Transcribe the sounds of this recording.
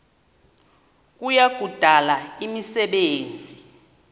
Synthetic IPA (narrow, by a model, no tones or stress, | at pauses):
k̬ʼujaɡ̥ʱud̥ʱalaimisɛɓeːnd͡zʱi